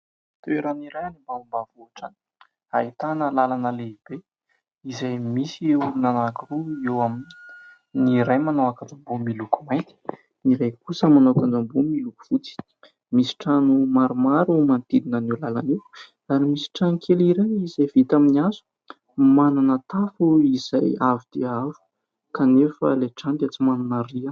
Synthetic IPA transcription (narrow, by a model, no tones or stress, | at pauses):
t̪eɾaniɾajanimbambavoaʈ͡ʂani̥ | a̰it̪anəlalanəleib̥e | izajmisiewnanakuruewamini̥ | niɾajmanowakand͡zambumilukumajt̪i̥ | niɾajkusəmanowakand͡ʒambumiluku̥v̥ut͡si̥ | misi̥ʈ͡ʂanumaɾumaɾumant̪id̪inənulalani | aɾimisi̥ʈ͡ʂankʰeliɾeizajvit̪aminiazu̥ | mananət̪afuiz̥ajavid̪̥eavu̥ | kanefə̰leʈ͡ʂand̪eat͡simananəria